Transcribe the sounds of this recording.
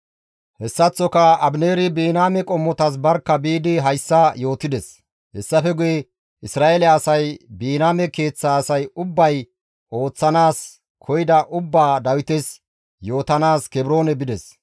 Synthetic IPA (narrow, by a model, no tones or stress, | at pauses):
hɛsːɐt͡sːɔkɐɐbneːɾɪbiːnaːmɛkʼɔmːɔt̪ɐs̬bɐɾkːɐbiːd̪ɪɦɐjsːɐjo̞ːt̪ɪd̪ɛs | hɛsːɐfɛɡʊjɛ | ʔɪsɾaːelɛɐsɐjbiːnaːmɛke̞ːt͡sːaːsɐjʊbːɐj | ʔo̞ːt͡sːɐnaːs | kʰɔjɪd̪ɐʔʊbːaːd̪ɐwɪt̪ɛs | jo̞ːt̪ɐnaːskɛbɾo̞ːnɛbɪd̪ɛs